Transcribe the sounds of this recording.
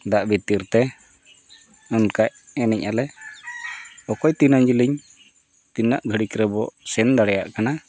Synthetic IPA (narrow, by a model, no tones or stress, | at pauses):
d̪aʔbit̪iɾt̪ɛ | ɔnkaʔɛnɛcalɛ | ɔkɔjt̪inaɲd͡ʒiliɲ | t̪inaʔɡʱəɽikɾɛbɔsɛnd̪aɽɛjaʔkana